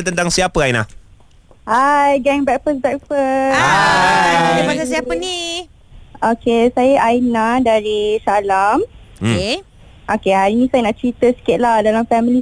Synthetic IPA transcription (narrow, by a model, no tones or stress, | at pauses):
t̪ənt̪aŋsiapəajnah | ajɡɛŋbɛk̚fəsbɛk̚fə | demasasiapəni | okesajəʔajnadaɾisalam | ʔokehaɾinĩsajənaʔt͡ʃɾit̪əsi̥kɪt̪̚lahdalamfɛmili